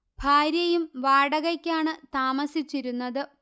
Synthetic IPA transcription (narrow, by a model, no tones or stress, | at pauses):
bʱaːɾjɐjumʋaːɽɐɣɐkʲːaːɳɨt̪aːmɐsit͡ɕːiɾunːɐðɨ